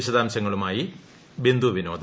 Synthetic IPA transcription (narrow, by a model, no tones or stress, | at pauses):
iɕɐd̪aːmɕɐŋːɐɭumaːji | bend̪uʋino̞ːd̪ʱɐ